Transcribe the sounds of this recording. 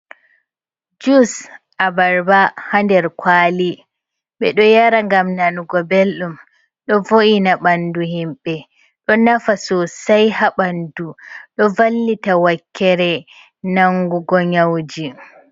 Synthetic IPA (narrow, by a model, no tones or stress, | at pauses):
d͡ʒus | ʔabaɾbahandɛɾkʰwaːli | ɓɛ̰ɗɔjaɾaŋɡamnanuɡɔbelɗum | ɗɔvoʔinaɓanduhimɓɛ | ɗɔnafasɔsajhaɓanduɗɔvalːitawakʰːɛɾɛ | naŋɡuɡɔɲawd͡ʒi